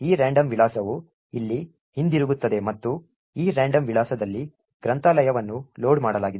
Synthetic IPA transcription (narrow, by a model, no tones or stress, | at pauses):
iːɾaːɳɖɐmʋilaːsɐʋu | ilːi | hind̪iɾuɡut̪ːɐd̪e̞mɐt̪ːu | iːɾaːɳɖɐmʋiɭaːsɐd̪ɐlːi | ɡ̥ɾɐnt̪alɐjɐʋɐnːuloːɖmaːɽɐlaːɡid̪